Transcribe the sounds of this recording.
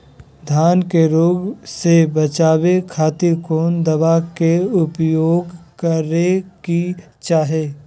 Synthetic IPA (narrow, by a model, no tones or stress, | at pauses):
d̪ʱjaːnkeɾoːɡsebət͡ʃaːwekʰaːt̪ɪɾkoːnd̪ɐʋakeʊpjoːɡkəɾeki | t͡ʃaːɦeː